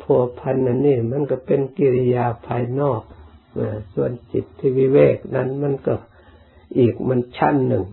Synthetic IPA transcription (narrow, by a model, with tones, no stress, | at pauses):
pʰu˧ɐ˧pʰa˧nʔa˧nːiː˧˩˨ma˧˥˨nka˧˩pe˧nki˧li˧jaː˧pʰaː˧jnɔː˥˩k̚ | na˧˩su˧ənsi˨˩t̪ʰːiː˧wiː˧wɛː˧˩k̚na˧˥˨nma˧˥˨nkɔ˧˩ | ʔiː˨˩k̚ma˧˥˨nt͡ɕʰa̰˧˥˨nːɯ˨˩ŋ